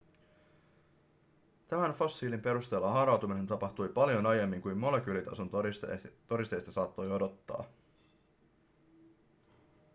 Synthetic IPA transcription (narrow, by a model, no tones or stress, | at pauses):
t̪æmænfo̞sːiːlimpe̞ɾust̪e̞ːlːɑɦɑɾɑwt̪umine̞nt̪ɑpɑht̪ujpɑljo̞nɑje̞mːiŋkujmːo̞le̞k̟yːlit̪ɑ̰sont̪t̪o̞ɾist̪e̞jst̪ɑsɑːt̪ːo̞jo̞do̞t̪ːɑ̰ː